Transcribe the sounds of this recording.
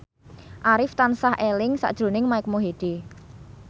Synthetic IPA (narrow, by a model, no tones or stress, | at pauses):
ʔaɾɪft̪ansahʔelɪŋsa̰ʔd̥ʒ̥ɾo̤nɪŋmaɪk̚moɦed̪̥e